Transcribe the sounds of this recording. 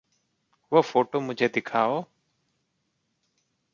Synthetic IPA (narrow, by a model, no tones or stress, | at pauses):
ʋofoːʈoːmʊ̃d͡ʒʱeːd̪ɪkʰaːoː